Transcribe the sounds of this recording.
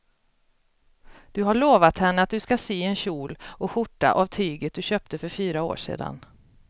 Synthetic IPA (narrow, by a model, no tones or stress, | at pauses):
d̪̥ɵɦaɭoːvat̪hɛnːəat̪̚d̪ɵskasyːɛnɕuːlɔɧʊʈːa̰ʔavt̪ʰyːɡət̪̚d̪ɵɕøːp̚t̪əfœɾfyːɾao̰ːʂḛːd̪a̰n